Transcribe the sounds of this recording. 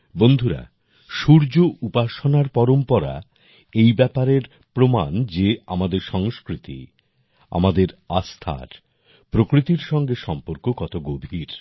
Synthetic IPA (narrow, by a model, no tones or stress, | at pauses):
bond̪ʱuɾa̰ | ʃuɾd͡ʑoʔupaʃonaɾpɔɾompɔɾa̰ | ejbɛpaɾeɾ | pɾomand͡ʑeamad̪eɾʃɔŋskɾit̪ḭ | a̰mad̪eɾast̪ʰa̰ɾ | pɾokɾit̪iɾʃɔŋɡeʃɔmpoɾkokɔt̪oɡobʱiɾ